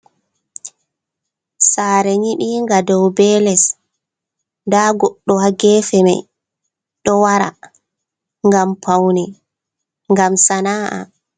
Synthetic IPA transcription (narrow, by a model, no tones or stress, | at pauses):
saːɾɛɲiɗiːŋɡadɔwbɛːlɛs | ndaːɡɔɗːɔhaɡɛːfɛma̰j | ɗɔwaɾa̰ | ŋɡampʰawnɛ | ŋɡamsanaːʔa̰